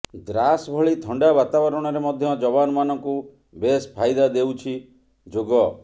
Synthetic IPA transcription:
d̪ɾasbʱɔɭit̪ʰɔɳɖabat̪abɔɾɔɽ̃ɔɾemɔd̪ʱjɔd͡ʒɔbanɔmanɔŋku | bespʰajd̪ad̪ewt͡ʃʰi | d͡ʒoɡɔ

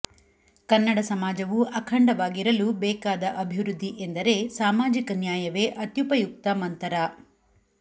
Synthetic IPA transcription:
kɐnːɐɽɐsɐmaːd͡ʒɐʋuʔɐkʰɐɳɖɐʋaːɡiɾɐlubɛːkaːd̪ɐʔɐbʱiʋɾud̪ʱːiʔend̪ɐɾe̞saːmaːd͡ʒikɐnjaːjɐʋe̞ːʔɐt̪jupɐjuk̚t̪ɐmɐnt̪ɐɾa

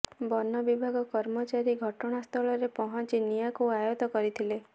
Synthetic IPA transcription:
bɔnːɔbibʱaɡɔkɔɾmɔt͡ʃaɾiɡʱɔʈɔɽ̃ast̪ʰɔɭɔɾepɔɦɔnt͡ʃinijakuajot̪ɔkɔɾit̪ʰile

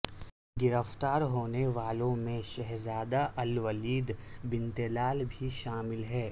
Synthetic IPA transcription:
ɡɪɾəft̪aːɾɦoːneʋaːlõmẽʃɛɦzaːd̪aʔɐlʋəliːd̪bɪ̃nt̪ɪlaːlbʱiʃaːmɪlɦɛː

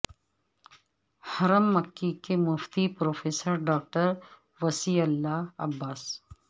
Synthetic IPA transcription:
hɐɾəmːɐkːikemʊft̪ipɾoːfeːsəɾɖaːk̚ʈəɾ | ʋɐsiɐlːaːɐ̰bːaːs

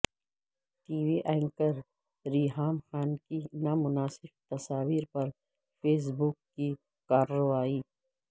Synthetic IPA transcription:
t̪iːwiʔɛːŋkəɾ | ɾiːɦaːmxaːnkinaːmʊnaːsɪbt̪ɐsaːwiːɾpɐɾ | feːs̬bukːi | kaːɾɐwaːiː

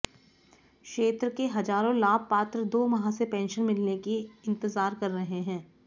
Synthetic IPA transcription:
kʃeːt̪ɾəkeɦɐd͡ʒaːɾõlaːb̚paːt̪ɾəd̪oːmɐɦãsepɛ̃ːnʃənmɪlnekiɪ̃nt̪ɪzaːɾkɐɾːɐɦeɦɛ̃ː

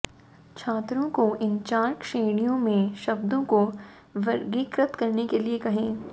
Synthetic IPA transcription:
t͡ʃʰaːt̪ɾõkoʔɪnt͡ʃaːɾkʃeːɽ̃ijõmẽʃɐbd̪õko | ʋɐɾɡiːkɾət̪kɐɾnekeliekɐɦẽː

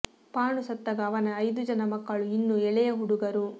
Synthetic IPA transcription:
paːɳusɐt̪ːɐɡɐːʋɐnɐːjd̪ud͡ʒɐnɐmɐkːɐɭuinːuɛɭɛjɐɦuɽuɡɐɾu

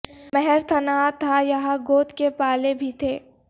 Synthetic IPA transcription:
mɛɦɛɾt̪ʰɐnaːt̪ʰajɐɦãɡoːt̪kepaːlebʱit̪ʰeː

